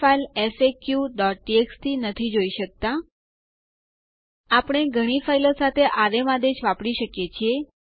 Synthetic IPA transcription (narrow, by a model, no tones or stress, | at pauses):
failesekjuɖɔʈ̚ːiekst̪ʰinət̪ʰid͡ʒoiʃək̚t̪a | apɽ̃eɡʱəɽ̃ifailosat̪ʰeʔaɾemãd̪ed͡ʒʋapɽiʃəkjet͡ʃʰie